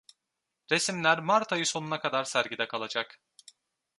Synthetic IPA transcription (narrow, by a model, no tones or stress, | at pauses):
ɾe̞simlʲæɾmaɾt̪ʰajɯso̞nunakʰad̪aɾsæɾɟid̪ɛkʰalˠad͡ʒak